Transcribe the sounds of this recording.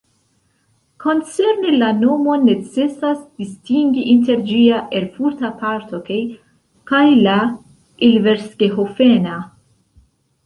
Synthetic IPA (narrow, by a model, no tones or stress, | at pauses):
kʰo̞nt͡seɾnelano̞mo̞net͡sesasd̥istiŋɡiʔinte̞ɾd͡ʒiaʔeɾfuɾt̪apaɾt̪okej | kajla | ilve̞ɾskeɦofena